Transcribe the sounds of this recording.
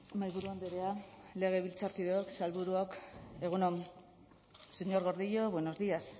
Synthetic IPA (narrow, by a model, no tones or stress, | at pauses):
majβuɾuand̪eɾeale̞ɣ̞e̞βilt͡saɾkið̞eoksalβuɾuoke̞ɣ̞unom | seɲo̞ɾɣo̞ɾðiʎoβweno̞zðias